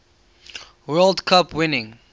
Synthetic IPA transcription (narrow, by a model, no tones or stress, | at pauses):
wɜldkʰapwɪnɪ̃ŋ